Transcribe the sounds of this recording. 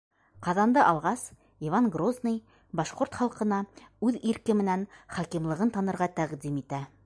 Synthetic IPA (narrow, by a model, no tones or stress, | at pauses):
qɑðɑnd̪ɤʔɑlˠʁɑs | ivɑnɡroznij | bɑʃqoɾt̪χɑlˠqɤ̆nɑʉðiɾkɘmɘ̆nænχɑkimlˠɤ̆ʁɤnt̪ɑnɤ̆ɾʁɑt̪æʁd̪imit̪æ